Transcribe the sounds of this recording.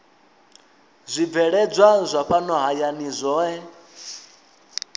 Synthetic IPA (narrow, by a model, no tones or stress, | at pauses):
zʷib̪vɛɺɛd͡zʷazʷaɸanɔɦajanizʷɔːɛ